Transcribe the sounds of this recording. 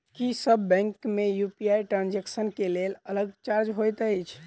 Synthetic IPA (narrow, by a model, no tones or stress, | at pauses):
kisəbːɛ̃ŋkmejupiajʈɾand͡ʒeksənkelelələɡ̚t͡ʃaɾd͡ʒɦojt̪əjt͡ʃʰ